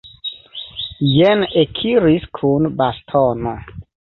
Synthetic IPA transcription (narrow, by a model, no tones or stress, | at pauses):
jenekʰiɾiskʰunbastʰono